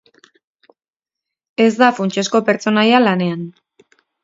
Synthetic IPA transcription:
e̞zd̪afunt͡ʃesko̞pe̞ɾt͡so̞najalane̞an

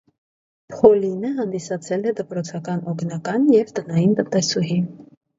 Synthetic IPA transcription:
pʰhɔlinəɦɑnd̪isɑt͡sʰɛlɛd̪əpɾɔt͡sʰɑkɑnɔknɑkɑnjɛvt̪ənɑjint̪ənt̪ɛsuɦin

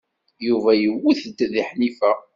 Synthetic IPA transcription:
juvæjəwiθəd̪ðiħnifæ

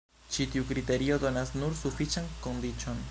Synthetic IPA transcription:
t͡ʃitiukɾite̞ɾio̞do̞nasnuɾsufit͡ʃanko̞ndit͡ʃo̞n

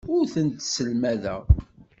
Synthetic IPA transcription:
ʊɾθənt̪səlmæðæ̰

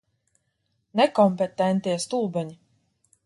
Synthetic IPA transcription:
nɛkɔmpet̪ɛnt̪iɛst̪uːbɛɲi

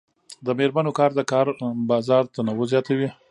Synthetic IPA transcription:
d̪əmeɾmanokɑɾd̪əkɑɾbɑzɑɾt̪anawozjɑt̪awi

